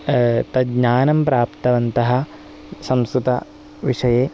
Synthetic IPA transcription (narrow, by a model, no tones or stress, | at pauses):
t̪ɐd̪ɲaːnɐmpɾaːpt̪ɐʋɐnt̪ɐɦɐ̆ | sɐmskɾut̪ɐ | ʋiʂɐjeː